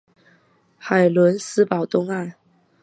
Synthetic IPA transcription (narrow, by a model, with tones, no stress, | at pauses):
xa˨˩ɪlwə˧˥nsɹ̩˥pɑ˨˩ʊt̪ʊ˥ŋa˥˩n